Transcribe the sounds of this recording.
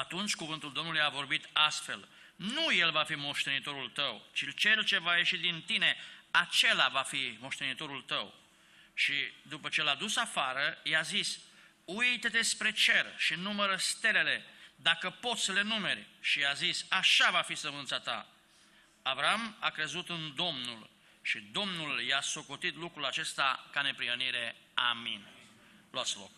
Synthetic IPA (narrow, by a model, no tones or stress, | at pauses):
at̪unt͡ʃʲkuvɨnt̪uld̪o̞mnulujavo̞rbit̪ast̪fe̞̰l | nuje̞lvafimo̞ʃt̪e̞nit̪o̞ɾult̪əwt͡ʃilt͡ʃe̞lt͡ʃe̞vaje̞ʃid̪int̪ine̞at͡ʃe̞lavafimo̞ʃt̪e̞nit̪o̞ɾult̪əw | ʃid̪upət͡ʃe̞lad̪usafaɾəjazis | ujt̪ed̪espɾe̞t͡ʃe̞rʃinuməɾəst̪e̞le̞le̞d̪akəpo̞t̪sʲsəle̞nume̞ɾʲʃiazisaʃavafisəmɨnt̪sat̪a̰ | avɾaama̰kɾe̞zut̪ɨnd̪o̞mnul | ʃid̪o̞mnuljasokot̪it̪lukɾulat͡ʃe̞st̪akane̞pɾiɦəniɾe̞ | amin | loat̪sʲlo̞̰k̚